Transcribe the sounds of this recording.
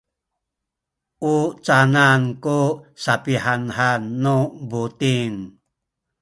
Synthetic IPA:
ʔut͡sanankusapiħanhanːubutiŋ

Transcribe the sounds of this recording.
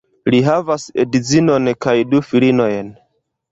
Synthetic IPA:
liɦavasḛdizino̞nkajdufilino̞jn

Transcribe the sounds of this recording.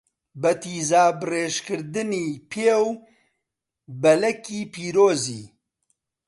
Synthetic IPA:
bɐt̪ʰiːzaːbɨreːʃkɨɾd̪ɨniːpʰeːw | bɐlɛkiːpʰiːɾoːzḭː

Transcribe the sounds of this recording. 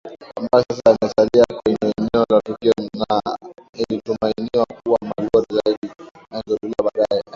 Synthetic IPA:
kambaɛsas̬anasaliakɛɲmɛɔlatikiɔnailitɔmainiwakuwamalɔɾizaiɗi | aŋɡɔtuliaɓaɗaɛ

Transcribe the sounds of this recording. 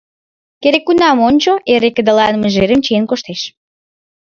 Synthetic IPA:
keɾekːunɑmonʲt͡ɕoʔeɾekə̆d̪əlɑnməʒeɾə̆mt͡ɕienkoʃt̪eʃ

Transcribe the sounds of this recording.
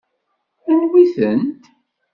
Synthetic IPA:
ænwiθənt̪

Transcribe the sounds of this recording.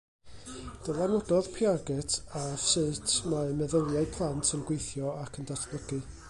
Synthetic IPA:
d̥əlˠanɔdɔðpʰjaɡɛtʰavsɨːtʰmamɛðəlˠjaɨpʰlˠantʰənɡwejθjɔakʰəndatʰb̥ləɡɨ

